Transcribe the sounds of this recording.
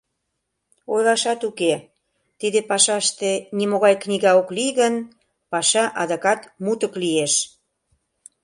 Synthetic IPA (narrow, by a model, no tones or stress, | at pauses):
ojlɑʃɑt̪uke | t̪id̪epɑʃɑʃt̪enimoɣɑjknʲiɣɑoklijɣən | pɑʃɑʔɑd̪əkɑt̪mut̪əklieʃ